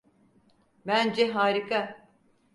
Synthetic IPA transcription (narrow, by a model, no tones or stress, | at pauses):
bænd͡ʒɛɦaːɾikʰa